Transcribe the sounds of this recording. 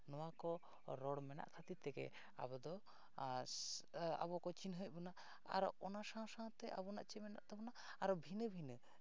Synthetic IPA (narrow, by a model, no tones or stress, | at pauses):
nɔwakɔ | ɾɔɽmɛna̰ʔkʰat̪it̪ɛɡɛ̰ | a̰βɔd̪ɔ | a̰bɔkɔt͡ʃinɦəc̚ˀbɔna | a̰ɾɔʔɔnasãsãt̪ɛʔa̰bɔna̰ʔt͡ʃɛmɛna̰ʔt̪ɛbɔnaː | ɾɔbʱinəbʱinə